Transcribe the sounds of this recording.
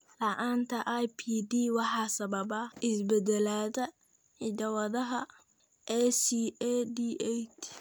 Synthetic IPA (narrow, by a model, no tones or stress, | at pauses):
lɐʔaːnt̪ʰɐʔajpʰiːd̪iːwɑħɑːsɐβɐbɐɪsbɛd̪ɛlaːðɐ | ħɪdɐwɐðɐɦɐ | ʔɛsiɛd̪iːʔɛt͡ʃ